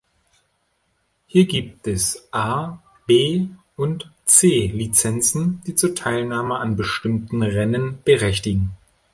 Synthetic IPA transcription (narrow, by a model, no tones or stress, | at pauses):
hiːɐɡiːp̚tɛsʔaː | b̥eː | ʊnt | t͡seːlit͡sɛnt͡sn̩d̥iːt͡suːɐtʰaɪlnaːməʔanbəʃtɪmtn̩ʁɛnənb̥əʁɛçtɪɡŋ̩